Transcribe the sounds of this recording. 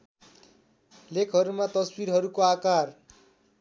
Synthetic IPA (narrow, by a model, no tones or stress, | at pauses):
lekʰɦʌɾumat̪ʌsbiɾɦʌɾukoakar